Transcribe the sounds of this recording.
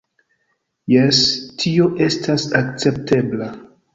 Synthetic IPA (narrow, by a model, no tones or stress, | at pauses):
jestʰio̞ʔe̞stʰasakt͡se̞p̚tʰe̞bla